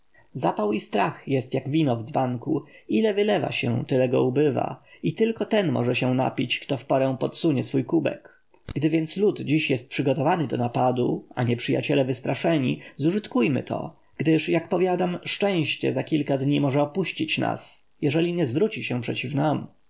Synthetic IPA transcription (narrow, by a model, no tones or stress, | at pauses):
zapawist̪ɾaxjɛst̪jaɡvʲinɔvd̪zbaŋkuilɛvɘlɛva̰ɕɛ̰̃t̪ɘlɛɡɔ̰ubɘva̰it̪ɘlkɔt̪ɛnmɔ̰ʐɛɕɛ̃na̰pʲit͡ɕkt̪ɔfpɔɾɛ̃w̃pɔt̪suɲɛsfujkubɛ̰k | ɡd̪ɘvʲjɛnt̪slut̪d͡ʑiɕjɛst̪̚pʂɘɡɔt̪ɔvanɘd̪ɔnapad̪ṵa̰ɲɛpʂɘja̰t͡ɕɛlɛvɘst̪ɾaʂɛɲizuʐɘt̪kujmɘ̰t̪ʰɔ̰ | ɡ̥d̪ɘʂjakpɔvʲjad̪amʂt͡ʂɛ̃w̃ɕt͡ɕɛ̰zakʲilkad̪ɲimɔʐɛɔpuɕt͡ɕit͡ɕna̰s | jɛʐɛlʲiɲɛzvɾut͡ɕiɕɛ̃pʂɛt͡ɕifnam